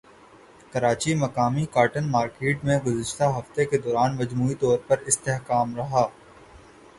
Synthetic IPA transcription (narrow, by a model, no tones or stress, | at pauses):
kɐɾaːt͡ʃimɐkaːmikaːɾʈənmaːɾkeːʈmẽɡʊzɪʃt̪aɦɐft̪eked̪ɔːɾaːnmɐd͡ʒmuːit̪ɔːɾpɐɾɪst̪eːɦkaːmɾɐɦaː